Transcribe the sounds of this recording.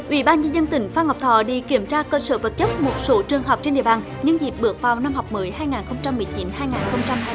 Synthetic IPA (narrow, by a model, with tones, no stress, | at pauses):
ʔwḭ˧˦ɓaː˧nɲə˧nzə˧nt̪ï˨˩˦ŋ̟faː˧ŋha˨˩k͡p̚t̪ʰɔ̰˧˨ɗḭ˧˩ki˧˩əmt͡ɕaː˧kəː˧sə̰ː˧˦və˨˩t̚t͡ɕə˦˥p̚mo˨˩t̚so˨˦t͡ɕɨ˨˩əŋɦa˨˩wk͡p̚t͡ɕe˧nɗḭ˧˨əɓaː˨˩n | ɲɨ˧ŋzi˨˩p̚ɓɨ˨˩ək̚vaː˨˩wna˧mhɔ˨˩wk͡p̚mɨ˨˦jhaː˧jŋaː˨˩nxə˧wŋ͡mt͡ɕa˧mːɨ˨˩jt͡ɕi˨˦nhaː˧jŋaː˨˩nxə˧wŋ͡mt͡ɕa˧ma˧